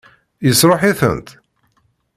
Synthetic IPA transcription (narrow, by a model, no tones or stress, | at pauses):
jəsɾˤoħiθə̰nt̪